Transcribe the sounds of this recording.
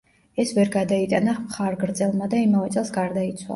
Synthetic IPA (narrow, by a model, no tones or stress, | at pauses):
ɛsvɛɾɡad̪ait̪ʼanamχaɾɡɾt̪sʼɛlˠmad̪aimavɛt̪sʼɛlˠsɡaɾd̪ait̪sʰwa̰